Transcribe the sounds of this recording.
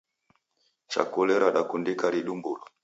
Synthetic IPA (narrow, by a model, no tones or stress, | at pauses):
t͡ʃa̰kulɛɾaɗakundikaɾiɗumbulɔ